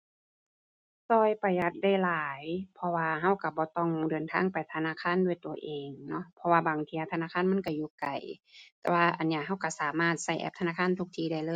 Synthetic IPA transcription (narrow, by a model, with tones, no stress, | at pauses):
sɔː˧˩jpa˨˩jʔa˧t̪̚da˧˥˩jlaː˨˦jpʰɔ˧waː˧ɦa˧˩˨wka˧˩bɔː˧˦t̪ɔ˧˥˩ŋdɤː˨nt̪ʰa̰ː˧˥˨ŋpa˨˩jt̪ʰa˧naː˧˥˨kʰaː˧˥˨ndu˧˩ə˨jt̪u˨˩ɐʔeː˨˩ŋnɔ˧˥pʰɔ˧waː˧baː˨˩ŋt̪ʰiː˧˨a˧˩t̪ʰa˧aː˧˨kʰa˧˥˨nma˧˥˨nka˧˩juː˧˩ka˨˩jt̪ɛ̰ː˧˩waː˧ʔa˨˩nːi˧˨ɦa˧˥˩wka˧˩saː˨˦maː˧˩t̪̚sa˧˩jʔɛ̰˧p̚t̪ʰa˧naː˧˥˩kʰaː˧˥˨t̪ʰu˧k̚t̪ʰiː˧˩da˧˩jlɤː˧˨